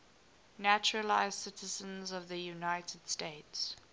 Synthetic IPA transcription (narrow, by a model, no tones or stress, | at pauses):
næt͡ʃɹəlaɪz̥sɪtʰəzə̃nzɔvðəjunaɪtʰəd̥steɪts